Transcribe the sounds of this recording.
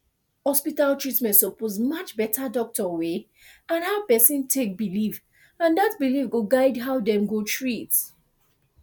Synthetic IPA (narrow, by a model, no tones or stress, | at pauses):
hɔspitaltɹitmɛ̃ntsɔpozmʌt͡ʃbɛtʰadɔk̚tɔwe | ãnhaʊpɛsĩntʰek̚biliv | ãndatbilifɡoɡaɪdɦaʊdɛ̃mɡotʰɹit